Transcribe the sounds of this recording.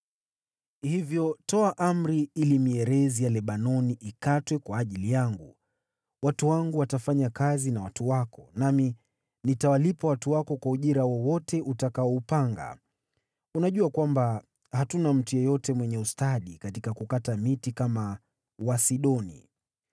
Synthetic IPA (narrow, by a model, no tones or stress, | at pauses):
hivjɔtɔaʔam̩ɾiilimiɛɾɛzijalɛɓanɔniʔikatwɛkwaːʄilijaŋɡu | watuwaŋɡuwatafaɲakazinawatuwakɔnami | nitawalipawatuwakɔkwauʄiɾawɔwɔtɛʔutakaɔupaŋɡa̰ | unaʄuakwamba | hatunam̩tujɔjɔtɛmwɛɲɛustaɗikatikakukatamitikama | wasiɗɔnḭ